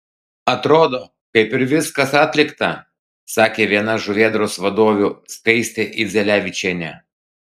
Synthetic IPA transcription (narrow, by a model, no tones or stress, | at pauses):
ɐt̪ɾoːd̪oː | kɐɪpɪɾʋʲɪskɐsɑːt̪ʲlʲɪkt̪ɐ | sɑːkʲeːʋʲiɛnɐʒʊʋʲiɛd̪ɾoːsʋɐd̪oːʋʲuskɐɪsʲt̪ʲeʔɪzʲɛlʲæːʋʲɪt͡ʃʲɛnʲæ